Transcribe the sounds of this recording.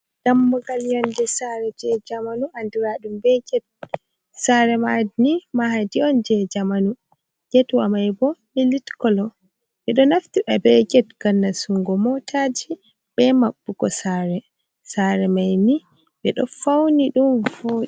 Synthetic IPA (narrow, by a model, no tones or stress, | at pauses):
d̥amːɔɡaljɔndɛsaɾɛd͡ʒɛd͡ʒamanuanduɾaɗumbɛɡɛt̚ | saɾɛmadnimahadiɔnd͡ʒɛd͡ʒamanu | ɡ̥ɛtwa̰majbɔmilitkɔlɔ | ɓɛɗɔnaftiɓɛbɛɡɛtɡanːasuŋɡɔmɔtad͡ʒi | b̥ɛmabːukɔsaɾɛ | saɾɛmajni | bɛɗɔ̰fawniɗumfoːɗi